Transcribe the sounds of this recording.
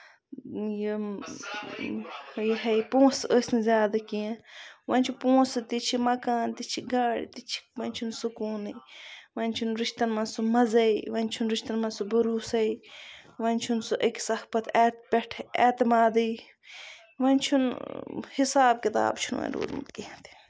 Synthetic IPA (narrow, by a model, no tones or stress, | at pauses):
ji | jiɦɐjpõːsəːsʲnizʲjaːd̪ɐkijẽʋɐnʲt͡ʃʰupõːsɨt̪it͡ʃʰimɐkaːnt̪it͡ʃʰiɡaːɽḭt̪it͡ʃʰi̥ʋɐnʲt͡ʃʰunsukuːnɐʋɐnʲt͡ʃʰunɾiʃt̪ɐnmɐnsumɐzɐiʋɐnʲt͡ʃʰunɾiʃt̪ɐnmɐnsubɐɾuːsɐiʋɐnʲt͡ʃʰunsuʔɐksɐhpɐt̪eːt̪pʲeʈʰḛːt̪imaːd̪ɐj | ʋɐnʲt͡ʃʰunhisaːb̚kit̪a̰ːbt͡ʃʰunɐ̰nɾṵːd̪mṵt̪kiɐt̪i̥